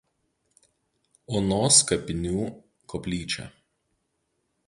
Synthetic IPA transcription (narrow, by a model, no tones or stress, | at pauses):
onoːskɐpʲɪnʲuː | kɔpʲlʲiːt͡ʃʲɛ̰